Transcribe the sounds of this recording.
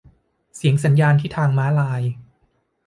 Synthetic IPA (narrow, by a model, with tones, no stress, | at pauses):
si˩˦əŋsa˩˦njaː˧nt̪ʰiː˥˩t̪ʰaː˧ŋmaː˦˥laː˧j